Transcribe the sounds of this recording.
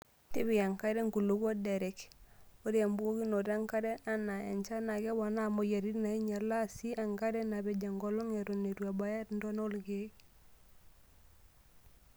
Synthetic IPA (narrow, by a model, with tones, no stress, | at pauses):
ti˦bi˨a˨ŋka˦ɾe˦ŋɡu˨lo˨ɡa˦de˨ɾe˨ko˦ɾi˦a˨mbu˦ɡo˦ɡi˦no˨ɾa˦ŋka˦ɾe˦a˦na˨a̰˨ɲt͡ʃa˦na˨ɡe˦ba˨na˦˨mo˨ja˨ɾi˦ɾna˨i˦ɲa˨la˦si˦a˨ŋka˦ɾe˦na˨be˨d͡ʒa˨ŋɡo˨lo˦ŋe˨ɾo˨ne˨ɾu˨a˨ba˦ja˦ɾn˦do˦no˦lɡe˦k